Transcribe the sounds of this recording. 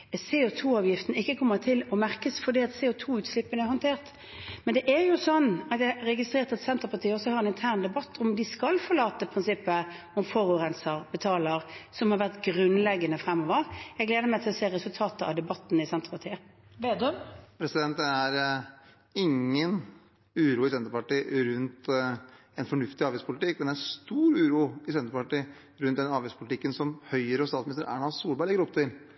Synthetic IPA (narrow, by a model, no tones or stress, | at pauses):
seot̪ʰuːɑːʋjɪft̪ənəɪkːəkʰɔmːəʁt̪ʰɪlɔmæʁkəsfɔd̪iːɑt̪seːʊt̪ʰuːʉːt̪slɪpːənəæɾhɔnt̪ʰeːʁt̪ | mɛnd̪ɛʔæɾjʊsɔnːɑt̪jæɾɛɡɪst̪ʁeːʁt̪ɑt̪sɛnt̪əpɑʁt̪ʰiːəɔsɔhɑɾɛnɪnt̪ʰæʁnd̪ɛbɑt̪ʰːɔmd̪ɪskɑlfɔlɑːt̪əpʰɾɪnsɪpːə | ɔmfɔɾʉːʁɛnsəɾbɛt̪ʰɑːləʁsɔmhɑɾʋæʁt̪ɡɾʉnlɛɡənəfʁɛmːɔːʋəɾjɛɡleːd̪əmæɪt̪ʰɪlɔseːʁɛsʉlt̪ʰɑːt̪əɑ̰d̪ɛbɑt̪ːn̩ɪsɛnt̪əpʰɑt̪ʰiːəʋeːd̪øpʰɾɛsɪd̪ɛnt̪̚d̪ɛæɾ | ɪŋːən | ʉːɾuːɪsɛnt̪əɾpɑʈiːɾʉnt̪ | ɛnfɔɳʉft̪ɪɑːʋɪspʰʊlɪt̪ɪkːmɛnd̪ɛæɾst̪uːɾʉːɾuːɪsɛnt̪əpɑʈiː | ɾʉnd̪ɛnɑːʋɪspʰʊlɪt̪ɪkːənsɔmhœʏəɾəɔst̪ɑːt̪smɪnɪst̪əɾʔæ̰ːɳɑssuːlbæɪɭɪɡːəɾɔp̚t̪ʰɪl